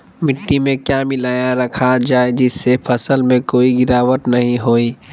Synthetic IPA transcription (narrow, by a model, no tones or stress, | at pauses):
mɪʈːimẽkjaːmɪlaːjaɾɐkʰad͡ʒaːed͡ʒɪsːepʰɐsəlmẽkoːiɡɪɾaːʋət̪nɐɦĩɦoːiː